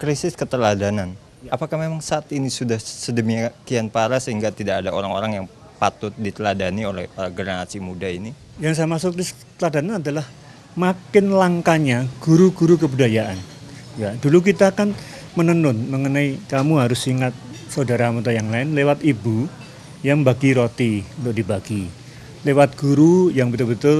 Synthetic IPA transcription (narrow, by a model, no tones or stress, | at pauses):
kɾisɪskət̪əladanan | apakahmemaŋsaːt̪inisudahsədəmiakianpaɾasəɦiŋɡat̪idakadaʔo̰ɾaŋo̰ɾaŋjaŋ | pat̪ʊt̪̚dit̪əladaniolɛ̰hɡərnasimudaini | jaŋs̬ajamasʊkɾisət̪əladananadalah | makɪnlaŋkaɲaɡ̥uɾuɡuɾukəbudajaʔanjaduluk̬it̪aːkan | mənənʊnməŋənaikamuɦaɾʊsːiŋat̪̚saudaɾaamut̪ajaŋlaɪnlewat̪ibu | jaŋbaɡiɾot̪iunt̪ʊk̚dibaɡ̥i | lewat̪̚ɡ̥uɾujaŋbət̪ʊlbət̪ʊl